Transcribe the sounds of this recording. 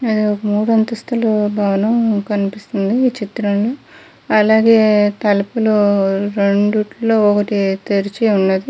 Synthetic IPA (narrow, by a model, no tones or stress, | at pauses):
ɐd̪iɔkɐmuːɽuɐnt̪ɐst̪ʰɐlubʱaːʋɐnɐmkɐnipist̪und̪iːt͡ʃit̪ɾɐmloː | ɐlaːɡeːt̪ɐlɐpuluɾe̞ɳɖuʈloːɔkɐʈit̪eɾit͡ʃiunːɐd̪i